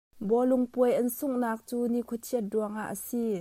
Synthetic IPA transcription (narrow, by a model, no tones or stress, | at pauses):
bɔluŋpuəjʔɐnsuŋnaːk̚t͡suːnikʰɔtʰiət̪̚duəŋʔaʔːəsi